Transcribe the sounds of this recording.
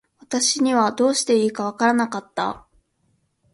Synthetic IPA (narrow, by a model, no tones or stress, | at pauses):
βat̪aɕiɲ̟iβad̪o̞ːɕi̥t̪e̞iːkaβ̞akaɾanakat̪ːa̰